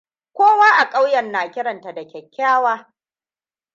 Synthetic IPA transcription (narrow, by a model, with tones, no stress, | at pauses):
kʷoː˦waː˦ʔa˨kʼa˦wjɐ˨nːaː˨kʲɪ˦ɽɐ˨nta˨da˨kʲɛ˨kʲːaː˦waː˦